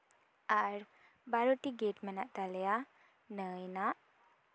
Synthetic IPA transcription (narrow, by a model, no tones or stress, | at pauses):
aɾ | baɾoʈiɡeʈmənaʔt̪alɛja | nəjnaʔ